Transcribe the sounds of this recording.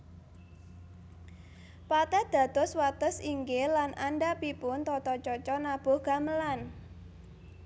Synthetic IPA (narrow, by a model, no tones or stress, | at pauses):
pat̪ɛd̪̥ä̤d̪̥ɔ̤swat̪əsiŋɡelanʔanɖapipʊnt̪ɔt̪ɔt͡ʃɔt͡ʃɔnab̥o̤ɡ̥a̤məlan